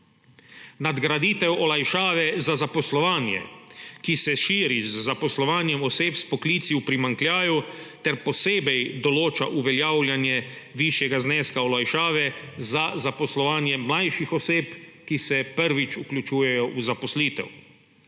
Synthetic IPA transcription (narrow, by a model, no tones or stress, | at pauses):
nad̪ɡɾad̪it̪ɛwɔlajʃaːʋɛzazapɔslɔʋaːnjɛ̰kisɛʃiːɾizːapɔslɔʋaːnjɛmɔseːpspɔkliːt̪siwpɾimaŋklʲjaːjut̪ɛɾpɔseːbɛjd̪ɔloːt͡ʃaʔuʋɛljaːwljanjɛ | ʋiʃjɛɡaznɛːskaɔlajʃaːʋɛ | zazapɔslɔʋaːnjɛmlajʃixɔseːpkisɛpəɾʋit͡ʃuklʲut͡ʃuːjɛjɔʔuzapɔsliːt̪ɛ̰w